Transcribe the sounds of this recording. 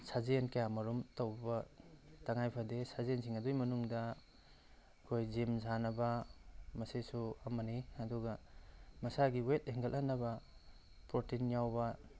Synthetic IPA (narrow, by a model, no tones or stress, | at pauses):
saznkajamɐɾumtɐwbɐtaŋajpʰadesazeensʰiŋɐdujmɐnuŋdɐ | kʰojzimzanɐbɐmɐsesuɐmɐniɐduɡɐmɐsaɡiwetheŋɡalʔanːɐbɐ | pɾotinjawbɐ